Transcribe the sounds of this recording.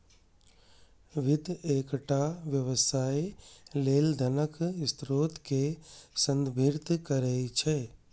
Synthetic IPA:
ʋɪd̪ʱeːkʈaʋjəʋəsaːileːld̪ʱənəkɪst̪ɾoːt̪kesə̃nd̪bʱiɾt̪kəɾəit͡ʃʰeː

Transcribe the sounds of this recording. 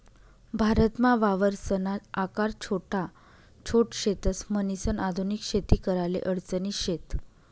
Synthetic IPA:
bʱaɾət̪maʋaʋəɾsənat̪akaɾt͡ɕʰoʈa | t͡ɕʰoʈɕet̪əsmənisənad̪ʱunikɕet̪iːkəɾalḛʔəɽt͡səniɕet̪

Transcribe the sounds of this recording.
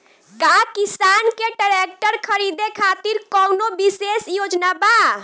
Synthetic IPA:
kakisankeɖəɾek̚ʈəɾkʰəɾid̪ekʰat̪iɾkɔwnobisesjod͡ʒnaba

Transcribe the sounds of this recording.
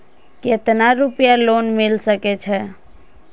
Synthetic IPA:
ket̪naɾupjaloːnmɪlsəkɛt͡ʃʰɛ

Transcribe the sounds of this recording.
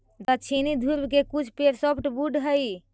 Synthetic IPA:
d̪at͡ʃʰinid̪ʱuɾbkekut͡ʃʰpeɾsɔpʰʈbuɖɦəj

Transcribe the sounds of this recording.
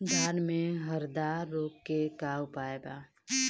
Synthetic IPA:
d̪ʱaːnmẽɦəɾd̪aːɾːoːkːekaʊpaːebaː

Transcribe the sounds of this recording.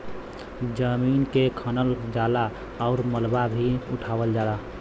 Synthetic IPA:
d͡ʒəmiːnkekʰənəld͡ʒaːla | ɔʊɾməlbabʱiʊʈʰaːwəld͡ʒaːla

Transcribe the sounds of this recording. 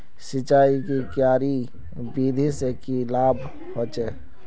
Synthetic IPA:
sɪt͡ʃaːikikjaːɾi | biːd̪ʱisekilaːbʱ | hot͡ʃe

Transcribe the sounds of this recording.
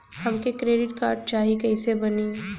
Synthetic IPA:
hɐmkekɾeːɖɪʈkaːɾɖ̚t͡ʃaːɦikɛɪsebɐni

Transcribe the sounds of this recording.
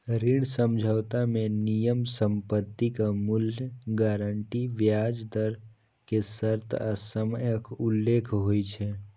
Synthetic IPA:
ɾɪɽ̃səmd͡ʒʱaʋt̪amẽnijəmsə̃mpət̪ːikamʊljəɡaːɾəɳʈiʋjaːd͡ʒd̪əɾ | kesəɾt̪ʰasəməjəkʊlːeːkʰɦoːit͡ʃʰe

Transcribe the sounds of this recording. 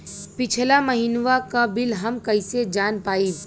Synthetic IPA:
pɪt͡ʃʰlaməɦinʋakabɪlɦɐmkɐɪsed͡ʒaːnpaːiː

